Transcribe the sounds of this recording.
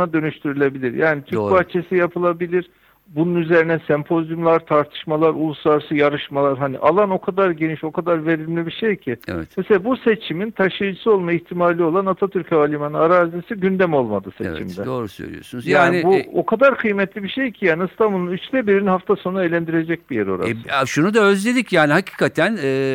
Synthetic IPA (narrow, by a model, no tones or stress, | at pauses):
nad̪ø̞nyʃt̪ʰyɾylʲe̞bilʲiɾjaːnit̪ʰyɾcpʰat͡ʃʰe̞sijapʰɯlˠabilʲiɾ̥ | bununyze̞ɾinɛsɛmpʰo̞zjumlˠaɾt̪ʰaɾt̪ʰɯ̥ʃmalˠaɾulˠuslˠaɾsɯjaɾɯʃmalˠaɾɦanḭʔalˠano̞kʰad̪aɾɟe̞niʃo̞kʰad̪aɾve̞ɾilʲmlʲibiʃejcʰiḛvɛmeselʲabuse̞t͡ʃʰimint̪ʰaʃɯjd͡ʒɯsɯo̞lˠmaiçt̪ʰimaːlʲio̞lˠanat̪ʰat̪ʰyɾcʰavalʲimanɯaɾaːzisiɟynd̪ɛmo̞lˠmad̪ɯsḛt͡ʃʰḭmd̪ɛ̰d̪oɾusø̰ɾʲḭo̰sunzjjaːniibuokʰad̪aɾkʰɯjmɛt̪lʲibiʃejcʰijaːniːst̪ʰanbulˠunyt͡ʃd̪ɛbiɾinihaft̪ʰaso̞naelʲænd̪iɾe̞d͡ʒɛc̚ʲbijeɾo̞̰ɾa̰ʃunud̪aøzlʲed̪icjaːnihacʰi̥ːkʰat̪ʰænː